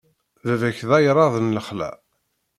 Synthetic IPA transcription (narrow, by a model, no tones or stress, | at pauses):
ðæðæçðɑjɾˤɑðˤənləχlæ̰